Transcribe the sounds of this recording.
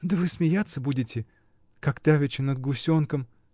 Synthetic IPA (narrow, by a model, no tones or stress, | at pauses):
d̪əvɨsmʲɪjat̪sːəbudʲɪtʲɪ | kakt̪avʲɪt͡ɕɪnəd̪̚ɡʊsʲonkəm